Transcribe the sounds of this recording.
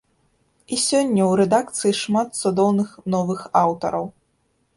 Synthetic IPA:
isʲɔnʲːɐwɾɛd̪ak̚t̪sɨjiʂmat̪̚sud̪ɔwnɨxnɔvɨxawt̪ɐ̰ɾɐw

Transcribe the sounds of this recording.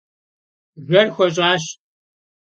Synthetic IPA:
ʒʷɐrxʷɐɕ̬ʼaːɕ

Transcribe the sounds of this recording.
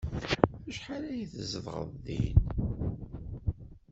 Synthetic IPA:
æʃħalæjəθəzəðˤʁə̰ðˤðḭn

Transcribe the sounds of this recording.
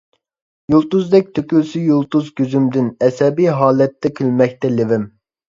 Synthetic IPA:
julˠt̪uzd̪ɛk̚ʲt̪ʰøkʲylsyjulˠt̪uzɡʲøzymd̪ɪnɛsɛbijɦɑːlɛt̪ːɛkʲʰylmɛk̚ʲt̪ɛlɪvɪm

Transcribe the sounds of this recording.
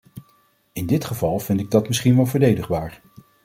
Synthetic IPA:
ɪndɪtχəvɑlˠv̥ɪntɪɡ̚dɑtmɪsχinʋɛlˠvəɹdejdəχbaːɹ

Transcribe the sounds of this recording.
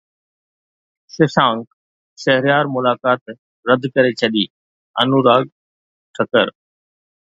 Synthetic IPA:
sɪsãːŋk | sɐɦɾjaːɾmʊlaːkaːt̪ | ɾəd̪ʱkɐɾet͡ʃʰɐɗiː | ɐ̰nuɾaːɡ | ʈʰɐkəɾ

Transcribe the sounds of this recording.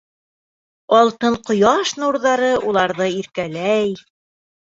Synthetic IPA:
ɑlˠt̪ɤɴqŏjɑʃnuɾðɑɾɤʔulˠɑɾðɤiɾkælæj

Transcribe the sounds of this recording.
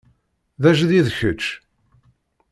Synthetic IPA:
ðæʒðiðçət͡ʃː

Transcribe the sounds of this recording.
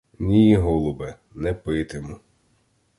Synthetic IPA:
nʲijɦɔlˠʊbɛ | nɛpɪt̪ɪmʊ

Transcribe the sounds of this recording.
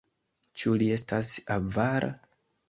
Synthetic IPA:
t͡ʃulie̞stasavaɾʔa̰

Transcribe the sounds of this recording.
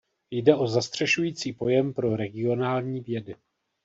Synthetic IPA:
jdɛʔo̞zast̪r̝̥ɛʃujiːt͡siːpo̞jɛmpɾo̞ɾɛɡɪo̞naːlɲiːvjɛdɪ

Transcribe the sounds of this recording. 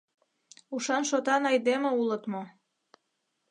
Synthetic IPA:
uʃɑnʃot̪ɑnɑjd̪emĕulət̪mo

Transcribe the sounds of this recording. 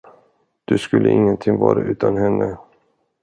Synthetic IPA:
d̪̥ɵskɵlːəʔɪŋːənt̪ʰɪŋvɑːɾaʔʉ̟ːt̪ʰanhɛnːə

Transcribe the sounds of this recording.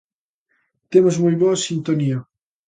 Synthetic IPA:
t̪emozmojβoasint̪onia

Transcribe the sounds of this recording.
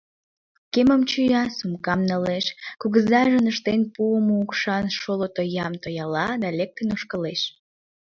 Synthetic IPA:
keməmt͡ɕyjɑsumkɑmnəleʃkuɣəzɑʒənəʃt̪enpuəmoukʃɑnʃolot̪ojɑmt̪ojɑlɑd̪ɑlek̚t̪enoʃkəleʃ

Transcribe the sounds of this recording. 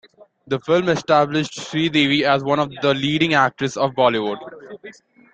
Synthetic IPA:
d̪əfɪlmɛsʈæblɪʃʈʃɾiːɖiːʋiæzʋʌ̃nɔʋd̪əliːɖɪ̃ŋæk̚ʈɾəsɔːʋbɔːliʋʊɖ

